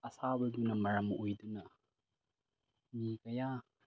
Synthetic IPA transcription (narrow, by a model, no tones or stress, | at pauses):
ɐsabɐdunɐmɐɾɐmʔojdunɐ | mikɐja